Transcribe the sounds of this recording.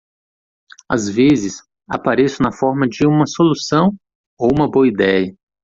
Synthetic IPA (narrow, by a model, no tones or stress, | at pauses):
a̰zvezɪs | a̰paɾesʊnɐfɔɾmɐd͡ʒɪũmɐsolusɐ̃w̃ | owũmɐboɐid̪ɛjɐ